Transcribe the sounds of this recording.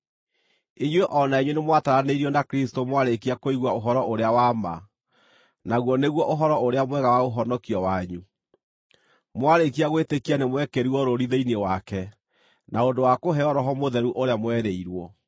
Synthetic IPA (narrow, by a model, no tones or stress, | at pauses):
iɲweʔɔnaiɲwenemwataɾaneiɾiɔnakɾistomwaɾekiakoiɣwaoɦɔɾɔʔoɾeawama̰ | naɣwɔneɣwɔʔoɦɔɾɔoɾeamwɛɣawaɣoɦɔnɔkiɔwaɲu | mwaɾek̬iaɣwetekianemwɛkeɾiɔɾoɾiðeinewakɛ | naondowakoɦɛɔɾɔɦɔmoðɛɾuʔoɾeamwɛɾeiɾwɔ